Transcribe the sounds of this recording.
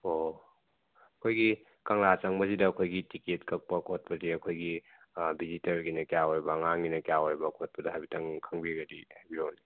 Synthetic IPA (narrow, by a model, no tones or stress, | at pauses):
o | ɐkʰojɡi | kɐŋlat͡ʃaŋbɐzidɐːkʰojɡitiketkɐk̚pɐkot̚pɐziɐkʰojɡi | bizitɐɾɡinɐkjawaɾbɐŋaŋɡinɐkjawaɾbɐkʰot̚pɐdɐɦajbitʰɐŋkʰɐŋbiɡɐdihajbiɾowni